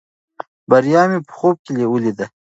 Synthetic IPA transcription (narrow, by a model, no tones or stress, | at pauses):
baɾjɑmipə̥xob̚kelewulid̪a